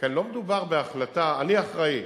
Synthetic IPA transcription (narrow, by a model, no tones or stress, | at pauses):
kenlo̞med̪ubaʁbeaχlataːniaχʁai